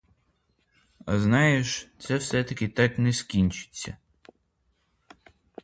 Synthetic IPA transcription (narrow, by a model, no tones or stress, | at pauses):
ɐznɑjeʃt̪sɛwsɛt̪ɐkʲɪt̪ɑknɛskʲinʲt͡ʃɪ̥t͡sʲːɐ̰